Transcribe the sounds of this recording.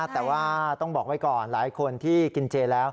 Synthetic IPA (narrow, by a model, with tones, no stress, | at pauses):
t̪ɛː˨˩waː˥˩t̪ɔ˥˩ŋbɔː˨˩k̚wa˦˥jkɔː˨˩nlaː˩˦jkʰo˧nt̪ʰiː˥˩ki˧nt͡ɕeː˧lɛː˦˥w